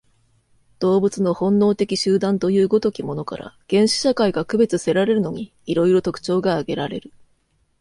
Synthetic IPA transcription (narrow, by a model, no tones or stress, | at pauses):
d̪̥o̞ːbɯ̟t͡sɨno̞hõ̞nːo̞ːt̪e̞kʲiɕɨːd̪ãnt̪ojɯ̟ːɡo̞t̪o̞kʲimo̞no̞ka̰ɾa̰ɡ̥ẽ̞ɰ̃ɕi̥ɕakaiɡakɯ̟be̞t͡sɨse̞ɾaɾe̞ɾɯ̟no̞ɲ̟iːɾo̞iɾo̞t̪o̞kɯ̟̥t͡ɕo̞ːɡaːɡe̞ɾaɾe̞̰ɾɯ̟